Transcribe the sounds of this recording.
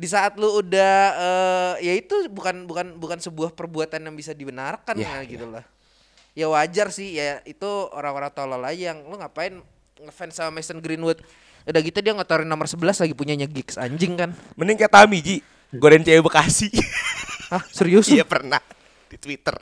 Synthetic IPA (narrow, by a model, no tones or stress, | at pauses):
disaːt̪̚luudahəːjait̪ubukanbukanbukansəbuahpərbuat̪anjaŋbisadibənarkanaɡit̪ulah | jawad͡ʒarsɪhjait̪uo̰ɾaŋoɾaŋt̪olɔlad͡ʒajaŋluŋɡapaɪn | ŋəfɛnsamamɛsənɡɾinwʊt̪̚ | udaɡit̪udiaŋat̪oɾɪnːomərsəbəlaslaɡipuɲaɲaɡɪksa̰ɲd͡ʒɪŋkanmənɪŋkajat̪amid͡ʒi | ɡoɾant͡ʃajubəkasi | ahsəɾiusjapərna̰h | d̥it̪wit̪ə̰r